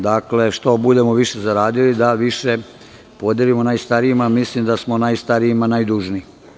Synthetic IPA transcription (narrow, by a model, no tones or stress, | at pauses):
d̪akle̞ʃt̪o̞bud̪e̞moʋiʃe̞zaɾaːd̪ilid̪aʋiʃe̞ | po̞d̪je̞limo̞najst̪aɾiimamislimd̪asmo̞najst̪aɾiimanajd̪uʒni